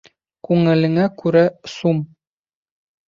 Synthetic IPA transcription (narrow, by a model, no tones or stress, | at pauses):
kʉŋɘ̆lɘ̆ŋækʉɾæsum